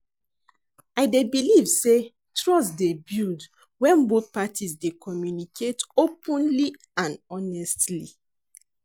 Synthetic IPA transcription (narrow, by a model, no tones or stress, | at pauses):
aɪdebilivse | tɹɔsdebild | wɛ̃nboθpatʰisdekʰɔmjunikʰetopə̃nli | ãnɔnɛstlḭ